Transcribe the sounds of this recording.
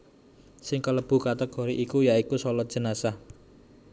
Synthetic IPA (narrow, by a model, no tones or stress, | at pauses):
sɪŋkələb̥ṳkat̪əɡ̥ɔ̤ɾiʔikujaikusɔlɔt̪̚dʒ̥ə̤nasa